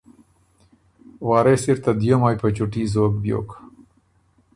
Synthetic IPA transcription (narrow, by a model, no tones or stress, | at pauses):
waːɾesiɾt̪ad̪jomajpət͡ʃuʈizoːk̚bjo̰ːka